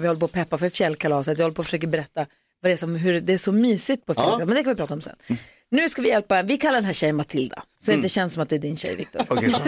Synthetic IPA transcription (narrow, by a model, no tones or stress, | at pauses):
vɪhɔlːəpoɔːɔpʰɛpːafœɾfjɛlːkʰalɑːsət̪vjɪhɔləpʰɔːfəʂøːkəɾbɛɾɛt̪ːa | vad̪ɛæsɔmɦɵɾd̪ɛæʂɔmyːsɪɡ̚t̪̚pʰɔfjɛlk̪ːmɛnd̪ɛkʰanvɪpʰɾɑːt̪aɔmsɛ̰nː | nʉ̟ːskavɪjɛlpavɪkʰalːaɾɖɛnɦæɕɛjənmat̪ʰɪld̪a̰sɔɛɪɛɕɛnsɔmat̪̚d̪ɛːɖɪnɕɛ̰jvɪ̰k̚t̪ʊ̰ɾ